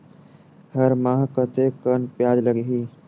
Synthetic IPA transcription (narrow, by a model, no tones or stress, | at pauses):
həɾmãːɦkət̪ʰekənpjaːd͡ʒləɡeɦiː